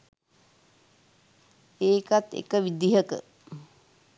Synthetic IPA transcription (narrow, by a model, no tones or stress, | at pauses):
eːkat̪ḛkəʋid̪iɦəkə̰